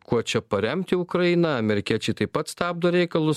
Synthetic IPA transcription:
kuɔt͡ʃʲɛpɐɾʲɛmʲt̪ʲɪʊkɾɐinɐɐmʲɛɾʲɪkʲiɛt͡ʃʲɛɪt̪ɐɪpɐt̪st̪æːb̚d̪oːɾʲɛɪkɐlˠʊs

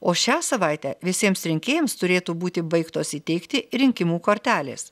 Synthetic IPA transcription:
oːʃʲæːsɐʋɐˑɪt̪ʲæ̰ːʋʲɪsʲiɛmsɾʲɪŋʲkʲeːjɛmst̪ʊɾʲeːt̪uːbuːt̪ʲɪbɐɪkt̪oːsiːt̪ʲɛɪkt̪ʲɪɾʲɪŋʲkʲɪmuːkoːɾʲt̪ʲæːlʲḛːs

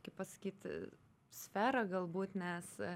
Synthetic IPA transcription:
kʲɪppɐsɐ̥kʲiːt̪ | sʲfʲæːɾɐɡɐlˠbuːt̪nʲɛs

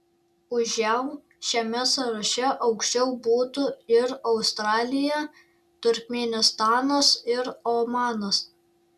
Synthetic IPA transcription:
ʊʒʲɛʊ | ʃʲɛmʲɛsɐɾɐʃʲɛʔɒʊkʃʲt͡ʃʲɛʊbuːt̪ʊɪɾɒʊst̪ɾɑːlʲɪjɛ | t̪ʊɾʲkʲmʲɛnʲɪst̪ɑːnɐsɪɾomɑːnɐs

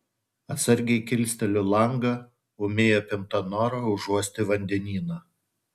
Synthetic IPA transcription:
ɐt̪sɐɾʲɡʲɛɪkʲɪlʲsʲt̪ʲɛlʲʊlˠɐŋɡɐ | ʊmʲeːjoːpʲɪmt̪ɐnɔːɾɐʊʒuɔsʲt̪ʲɪʋɐnʲd̪ʲɛnʲiːnɐ

